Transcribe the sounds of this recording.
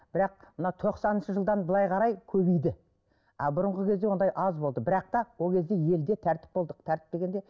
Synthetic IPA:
b̥ɪɾɑq̚mənɑt̪ʰo̞qsɑnənʃəʒəlˠd̪ɑnbəlˠɑjqʰɑɾɑjkʲʰɵbijd̪ɪ | ɑ̰bʊɾəɴʁəkʲʰezd̪e̞ond̪ɑjʔɑzbo̞lˠd̪əbɪɾɑq̚t̪ɑwo̞lˠkʲʰe̞zd̪e̞je̞ld̪e̞t̪ʰæɾt̪ɪ̥p̚bo̞lˠd̪əq̚t̪ʰæɾt̪ɪp̚d̪e̞ɡʲe̞nd̪e̞

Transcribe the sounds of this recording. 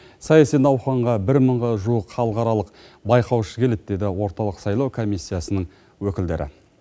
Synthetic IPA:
sɑjɑsijnɑwχɑɴʁɑbɪɾməɴʁɑʒuwəqχɑlˠəqɑɾɑlˠəq | bɑjqɑwʃəkʲʰe̞le̞t̪d̪e̞d̪ɪwo̞ɾt̪ɑlˠəqsɑjlˠɑwkʰo̞mijsːijasənəɴ | wɵkʲɪld̪e̞ɾʔɪ̰

